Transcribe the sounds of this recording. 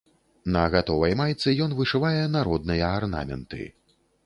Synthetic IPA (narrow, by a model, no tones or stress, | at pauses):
nɐɣat̪ɔvɐjmajt̪sɨjɔnvɨʂɨvajɛnaɾɔd̪nɨjɐarna̰mʲɛ̰nt̪ɨ̰